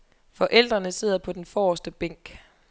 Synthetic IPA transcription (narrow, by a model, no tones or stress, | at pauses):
fɒ̽ʔel̰d̥ʁɐnəse̝ð̰ˠɐpʰɒ̽d̥enfɒːsd̥əb̥eŋ̰ɡ̥